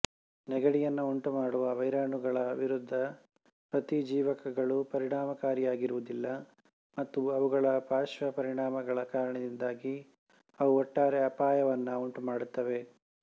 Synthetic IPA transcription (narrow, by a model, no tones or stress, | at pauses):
nɛɡɐɽijɐnːɐuɳʈumaːɽuʋɐʋɐjɾaːɳuɡɐɭɐːʋʱiɾud̪ʱːɐ | pɾɐt̪id͡ʒiːʋɐkɐɡɐɭupɐɾiɳaːmɐkaːɾijaːɡiɾuʋud̪ilːɐ | mɐt̪ːuɐʋuɡɐɭɐpaːʃʋɐpɐɾiɳaːmɐɡɐɭɐkaːɾɐɳɐd̪ind̪aːɡi | ɐʋuɔʈːaːɾeɐpaːjɐʋɐnːɐuɳʈumaːɽut̪ːɐʋe̞